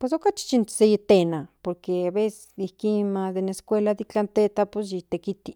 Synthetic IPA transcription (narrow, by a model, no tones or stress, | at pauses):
pwes̬okat͡ʃi̥t͡ʃinsejit̪enapoɾkeaβese̥sihkimad̪eneskʷelad̪it͡ɬant̪et̪apos̬jit̪ekit̪i